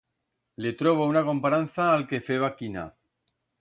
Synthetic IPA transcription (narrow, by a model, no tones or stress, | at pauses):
le̞t̪ɾoβ̞ounako̞mpaɾanθaːlke̞feβakina̰